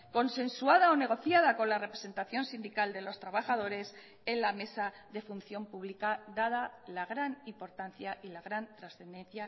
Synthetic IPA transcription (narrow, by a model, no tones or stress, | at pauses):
ko̞nsẽ̞nsuað̞ao̞ne̞ɣ̞o̞θjaðako̞nlare̞pɾe̞se̞nt̪aθjo̞nsind̪ikald̪e̞lo̞st̪ɾaβaxað̞o̞ɾe̞s | e̞nlame̞sa | ðe̞funθjo̞mpuβlikaðaðalaɣɾanimpo̞ɾt̪an̟θjaʔilaɣɾant̪ɾasθe̞nd̪e̞n̟θja